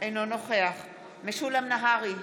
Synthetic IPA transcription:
ʔejnonoχe̞aχ | meʃulamnaɦaʁi

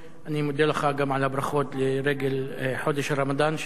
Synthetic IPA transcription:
ʔanimod̪elaχaɡamʕalabɾaχo̞t̪leɾeɡelħo̞d̪eʃaɾamad̪an

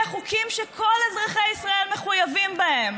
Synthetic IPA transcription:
aχukʰimʃekʰolazʁaχeisʁae̞lmeχujavimbahem

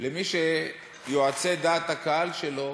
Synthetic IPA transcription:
lemiʃe | joat͡se̞d̪aːt̪hakaɦalʃelo̞

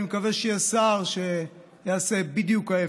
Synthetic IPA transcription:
imekaveʃejasaʁʃe | jaasebid̪jukae

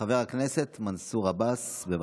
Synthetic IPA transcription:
aveʁakneset̪mansuʁabasbeva

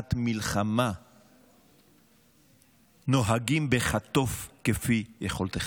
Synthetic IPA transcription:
t̪milχama | noɦaɡimbeχat̪ofkefijeχolt̪e

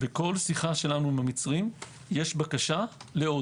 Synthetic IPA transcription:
veko̞lsiχaʃe̞lanuimhamit͡sʁim | jeʃbakaʃaleo̞

